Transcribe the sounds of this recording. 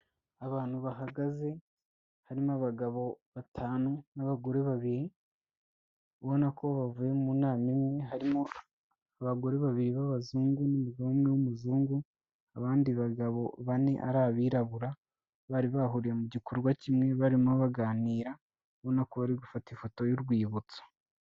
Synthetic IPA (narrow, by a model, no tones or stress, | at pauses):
aβaːn̥huβaɦaɡaze̞ | haɾimoaβaɡaβo̞βatʰaːnonaβaɡo̞ɾe̞βaβiɾi | βo̞nako̞βavuje̞munaːmimŋe̞ɦaɾimo | aβaɡo̞ɾe̞βaβiɾiβaβazuːŋɡunimuɡaβamŋewumuzuːŋɡu | aβaːndiβaɡaβo̞βane̞ʔa̰ɾaβiːɾaβuɾa | βaɾiβaɦuɾije̞muɟikuɾɡwacimŋe̞βaɾimaβaɡaːniːɾa | βo̞nakoβaɾiɡufatifo̞to̞juɾɡwiːβut͡so̥